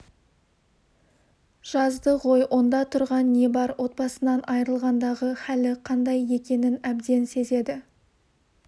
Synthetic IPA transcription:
ʒ̥ɑzd̪əʁo̞jwʔo̞nd̪ɑt̪ʰʊɾʁɑnːe̞bɑɾwʔo̞t̪̚bɑsənɑnʔɑjɾəlˠʁɑnd̪ɑʁəχælɪqʰɑnd̪ɑje̞kʲe̞nɪnæbd̪e̞nse̞ze̞d̪ɪ

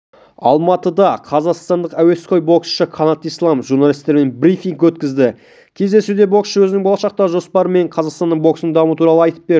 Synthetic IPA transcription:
ɑ̰lˠmɑt̪əd̪ɑqʰɑzɑqst̪ɑnd̪əqæwe̞sqo̞jbo̞ksʃəkʰonɑt̪ijslˠɑmʒuɾnɑlʲˠist̪eɾme̞nbɾifiŋkwɵt̪kʲɪzd̪ɪ | kʲʰe̞zd̪e̞sud̪e̞bo̞ksʃəwɵzɪnɪŋbo̞lˠɑʃɑq̚t̪ɑʒo̞spɑɾəme̞ɴqʰɑzɑʁqst̪ɑnəɴbo̞ksnəŋd̪ɑmuuət̪ʰuɾɑlˠəɑjt̪ə̥p̚beɾ

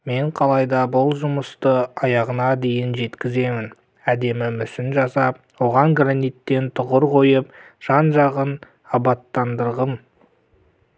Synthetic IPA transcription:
me̞ɴqʰɑlˠɑjd̪ɑbʊlˠʒʊməst̪əɑjɑʁənɑd̪e̞jɪnʒe̞t̪kʲɪze̞mɪn | æd̪e̞mɪmʏsɪnʒɑsɑp̚ | wo̞ʁɑŋɡranijt̪ːe̞nt̪ʰʊʁəɾqʰo̞jəp | ʒ̥ɑnʒɑʁən | ɑbɑt̪ːɑnd̪əɾʁəm

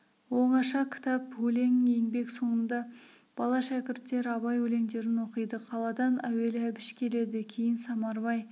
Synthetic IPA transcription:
wo̞ɴɑʃɑkʲʰɪ̥t̪ɑpwɵle̞ŋjeŋbe̞kso̞ɴənd̪ɑ | b̥ɑlˠɑʃækʲɪɾt̪ːe̞ɾɑβɑjwɵle̞ŋd̪e̞ɾɪnwo̞qəjd̪əqʰɑlˠɑd̪ɑnæwe̞lɪæbɪʃkʲʰe̞le̞d̪ɪkʲʰejɪnsɑmɑɾbɑj

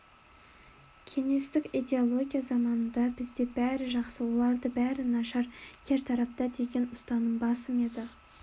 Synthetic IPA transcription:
kʲʰe̞ŋe̞st̪ɪkʲid̪ʲe̞o̞lˠo̞ɡʲijazɑmɑnənd̪ɑbɪzd̪e̞bæɾɪʒɑqsəwo̞lˠɑɾd̪əbæɾɪnɑʃɑɾkʲʰe̞ɾt̪ʰɑɾɑp̚t̪ɑd̪e̞ɡʲe̞nʊst̪ɑnəɴbɑsəme̞d̪ɪ

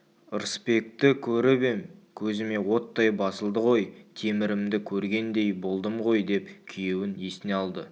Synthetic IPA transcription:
əɾspe̞k̚t̪ɪkʲʰɵɾɪbe̞ŋkʲʰɵzɪme̞wo̞t̪ːɑjbɑsəlˠd̪əʁo̞jt̪ʰe̞mɪɾɪmd̪ɪkʲʰɵɾɡʲe̞nd̪e̞jbo̞lˠd̪əmʁo̞jd̪e̞pkʲʰijewɪne̞sɪneɑlˠd̪ə

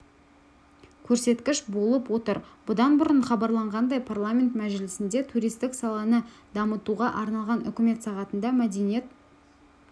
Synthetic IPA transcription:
kʲʰɵɾse̞t̪kʲɪʃbo̞lˠəpwo̞t̪əɾbʊd̪ɑnbʊɾəɴχɑbɑɾlˠɑɴʁɑnd̪ɑjpʰarlˠamʲe̞nt̪mæʒɪlɪsɪnd̪e̞t̪ʰuɾijst̪ɪksɑlˠɑnəd̪ɑmət̪uʁɑʔɑɾnɑlˠʁɑnʏ̰kʲɪme̞t̪sɑʁɑt̪ənd̪ɑmæd̪enije̞t̪

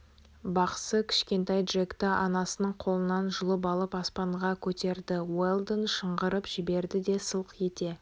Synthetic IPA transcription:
bɑqsəkʲʰɪ̥ʃkʲe̞nt̪ɑjd̪ʒekt̪ɪʔɑnɑsənəɴqʰo̞lˠənɑnʒʊlˠəp̬ɑlˠəpɑspɑɴʁɑkʲʰɵt̪e̞ɾd̪ɪwelˠd̪nʃəɴʁəɾəpʒ̥ɪbe̞ɾd̪ɪd̪e̞səlˠqje̞t̪e̞

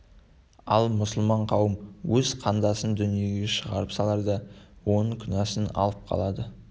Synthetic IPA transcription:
ɑlˠmʊsəlˠmɑɴqʰɑwəmwɵzqʰɑnd̪ɑsənd̪ʏnije̞ɡʲe̞ʃəʁɑɾəpsɑlˠɑɾd̪ɑwo̞nəɴkʲʰʏnɑsənɑ̰lˠəp̚qʰɑ̰lˠɑd̪ə

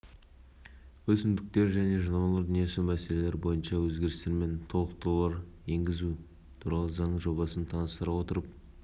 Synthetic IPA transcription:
wɵsɪnd̪ɪk̚t̪e̞ɾʒæne̞ʒənɑmɑlˠɑɾd̪ənesumæse̞le̞le̞ɾbo̞jənʃɑwɵzɡʲe̞ɾɪst̪e̞ɾme̞nt̪ʰo̞lˠəq̚t̪olˠɑɾje̞ŋɡʲɪzu | t̪ʰuɾɑlˠəzɑɴəʒo̞βɑsənt̪ʰɑnəst̪əɾɑwo̞t̪əɾəp̚

